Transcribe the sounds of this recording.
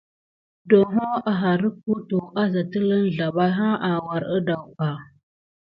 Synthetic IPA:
do˨ɦo˦a˨ɦa˨ɾə˦ku˦tu˨ʔa˦za˨tə˦lə˦nɮa˨ba˦ɦa˦ʔa˨wa˨ɾə˦da˨wka˨

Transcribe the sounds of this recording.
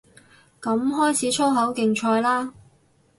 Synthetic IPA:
kɐ˨˥mɦɔː˥jt͡sʰiː˨˥t͡ʃʰo˥wɦɐ˨˥wkɪ˨ŋt͡ʃʰɔː˧jlaː˥

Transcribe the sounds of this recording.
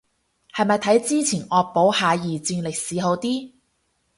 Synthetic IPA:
hɐ˨jmɐ˨jt̪ʰɐ˨˥jt͡siː˥t͡sʰiː˨˩nʔɔː˨k̚po˨˥whaː˨˧jiː˨t͡siː˧nlɪ˨k̚siː˨˥ɦo˨˧˥wt̪iː˥

